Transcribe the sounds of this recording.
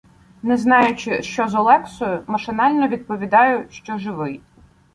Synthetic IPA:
nɛznɑjʊt͡ʃɪʃt͡ʃɔzɔlˠɛksɔjʊmɐʃɪnɑlʲnɔʋʲid̪̚pɔʋʲid̪ɑjʊʃt͡ʃɔʒɪʋɪj

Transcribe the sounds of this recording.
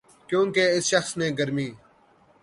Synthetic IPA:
kjõːkeɪsʃəxsneːɡɐɾmiː

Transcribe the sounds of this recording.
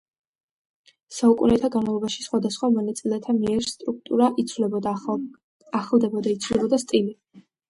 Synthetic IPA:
saukʼunɛt̪ʰaɡanmavlˠɔbaʃisχwad̪asχwamɔnat̪sʼilɛt̪ʰamiɛɾst̪ʼɾuk̚ʰt̪ʼuɾaʔivlɛb̪ | aχlˠd̪ɛbɔd̪ait̪sʰvulɛbɔd̪ast̪ʼili

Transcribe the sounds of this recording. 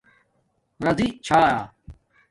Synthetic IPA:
ɾɐziːt͡ʃʰaːjaː

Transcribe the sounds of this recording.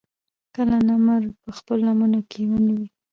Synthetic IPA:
kəlanamaɾpəxpəlːamunakʰewanawi

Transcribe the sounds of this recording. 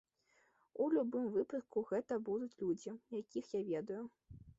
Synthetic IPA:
ulʲubɨmvɨpɐt̪̚kuɣɛt̪ɐbud̪ut͡sʲlʲud͡zʲijakʲixjavʲɛd̪ɐju

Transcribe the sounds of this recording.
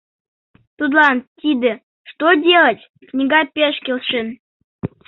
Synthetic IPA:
t̪ut̪lˠɑnt̪ʲid̪ə | ʂt̪odʲelˠətʲ | knʲiɡɑpʲeʃkʲelˠʃən

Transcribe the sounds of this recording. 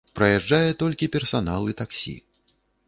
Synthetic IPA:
pɾɐjaʐd͡ʐajɛt̪ɔlʲkʲipʲɛrsanalˠɨt̪aksʲḭ

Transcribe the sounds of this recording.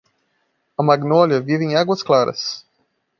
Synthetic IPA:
ɐmaɡnoljɐvivɪẽj̃aɡwɐsklaɾɐ̰s

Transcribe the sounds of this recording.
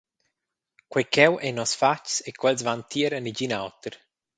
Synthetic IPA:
kwɛkʰɛwʔɛnɔsfat͡ʃsekʰwɛlzvant̪ʰiɾənid͡ʒinawt̪eɾ

